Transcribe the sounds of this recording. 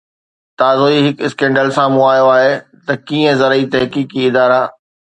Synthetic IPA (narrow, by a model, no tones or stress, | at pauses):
t̪aːzoiɦɪkɪskẽːɳɖəlsãmʊ̃aːjoaːɦet̪ɐkiːə̃zɐɾəit̪ɐɦkiːkiɪd̪aːɾaː